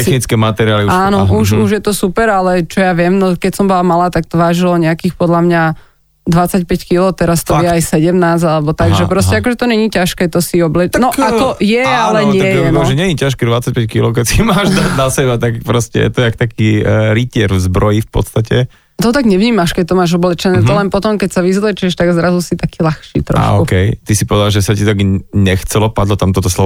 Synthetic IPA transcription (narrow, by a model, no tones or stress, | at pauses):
t̪ɛxnit͡skɛːmat̪ɛɾiaːliaːnɔuʃuʒjɛt̪ɔsupɛɾalɛt͡ʃɔjaʋɪɛmnɔkɛcsɔmbɔlamalaːt̪ak̚t̪ɔʋaːʒilɔɲɛakiːxpɔd̪lamɲa | d̪ʋat͡sacpɛckilɔt̪ɛɾast̪ɔjɛajsɛɟɛmnaːzalɛbɔt̪aɡʒɛpɾɔscɛakɔʒɛt̪ɔɲɛɲiːcaʃkɛːt̪ɔsiɔblɛnɔat̪ɔjɛalɛɲɪɛjɛaʒɛɲɛɲicaʃkɛd̪ʋat͡sːac̚pɛckilɔʊk̬ɛcsimaːʒd̪aɟnasɛbat̪akpɾɔscɛ̰jɛ̰t̪ɔɛakt̪akiːɾicɪɛɾvzbɾɔjifpɔ̰t̪st̪acɛ | t̪ɔt̪aɡɲɛʋɲiːmaʃkɛc̚t̪ɔmaːʒɔblɛt͡ʃɛnɛːt̪ɔlɛnpɔt̪ɔmkɛcsaʋizlɛt͡ʃɛʃt̪aɡzɾazusit̪akiːlaxʃḭːt̪ɾɔ̰a̰ʃɔkukɛjt̪isipɔʋɛd̪alʒɛsacit̪aɡɲɛxt͡sɛlɔpad̪lɔt̪amt̪ɔt̪ɔslɔ